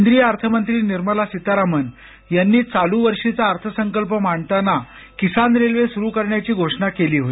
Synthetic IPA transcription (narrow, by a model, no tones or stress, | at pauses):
nd̪ɾijəəɾt̪ʰəmənt̪ɾiːniɾməlasit̪aɾamən | janːiːt͡saluʋəɾʂit͡saːɾt̪ʰəsəŋkəlpəmaɳt̪ana | kisanɾelʋesuɾuːkəɾɳjat͡ɕiːɡʱoʂɳakeliːɦot̪i